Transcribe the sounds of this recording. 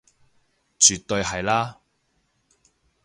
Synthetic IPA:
t͡syː˨t̪ːɵ˧ɥhɐ˨jlaː˥

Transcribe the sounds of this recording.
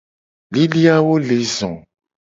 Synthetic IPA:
li˦li˦a˦wo˦le˨zɔ̰̃˨

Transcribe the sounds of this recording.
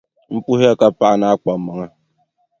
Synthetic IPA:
m̩˦pu˦ɦe˦a˦ka˦pa˦ʔa˨na˦a˦k͡pa˨ma˨ŋa˦

